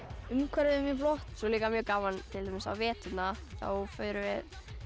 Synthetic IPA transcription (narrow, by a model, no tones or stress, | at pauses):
ʏmkʰvɛɾɪʏmjɛflɔht̪sɔliːkamjœːkaːvant̪ʰɪlt̪ajmɪsa̰wvɛːt̪ʏt̪naθa̰fœːɥɾʏvɪð